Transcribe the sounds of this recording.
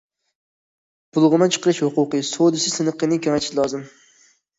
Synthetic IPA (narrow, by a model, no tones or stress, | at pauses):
b̥ʊlˠʁɨmat͡ʃʰɨ̥qʰɨɾɪʃhʊqʊqɨsod̪ɪsɪsɨnɨqʰɨnɪŋkʰʲoŋat̪ʰɪ̥ʃlˠɒzɪm